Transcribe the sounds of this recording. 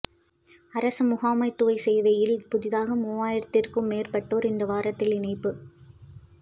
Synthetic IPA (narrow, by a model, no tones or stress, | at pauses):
ɐɾɐsɯmʊɣaːmɐɪt̪ːɯʋɐɪsɛjʋɐjɪlpʊðɪðaːɣɐmoːaːjɪɽɯt̪ːɪrkɯmːeːrpɐʈːoːɾɪnd̪ɐʋaːɾɐt̪ːɪlɪnɐɪpːɯ